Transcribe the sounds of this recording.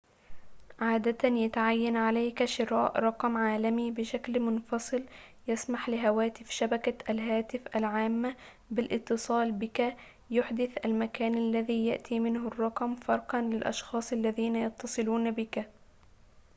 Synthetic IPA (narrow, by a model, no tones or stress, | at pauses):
ʕaːd̪at̪anjat̪aʕajːanʕalajkʃɪɾɑːʔɾˤɑqmʕaːlamibɪʃaklmʊnfɑsˤɨljasmaħlɪɦawaːt̪ɪfʃabakaʔalɦaːt̪ɪfʔalʕaːmːa | bɪlʔɪt̪ːɨsˤɑːlbɪka | jʊħd̪ɪθʔalmakaːnʔalːaðiːjaʔt̪ʰiːmɪnɦʊrˤːɑqmfɑɾˤqɑnlɪlʔɑ̰ʃxɑːsˤʔalːaðiːnajɑt̪ːɑsˤɨluːnabɪka